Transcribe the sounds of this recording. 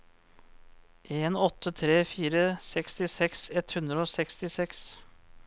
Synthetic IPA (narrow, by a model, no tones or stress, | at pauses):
ʔeːnɔt̪ʰːət̪ʰɾeːfiːɾəsɛkst̪ɪsɛksɛt̪hʉnd̪ɾəoːsɛkst̪ɪsɛks